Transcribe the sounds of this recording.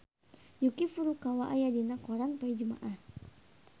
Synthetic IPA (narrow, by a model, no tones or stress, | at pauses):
jukifuɾukawaʔajadinakɔɾanpaid͡ʒuma̰ʔah